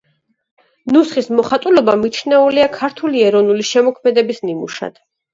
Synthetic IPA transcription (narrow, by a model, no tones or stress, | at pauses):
nusχismɔχat̪ʼulɔbamit͡ʃʰnɛuliakʰaɾt̪ʰuliɛɾɔvnuliʃɛmɔkʰmɛd̪ɛbisnimṵʃa̰d̪̥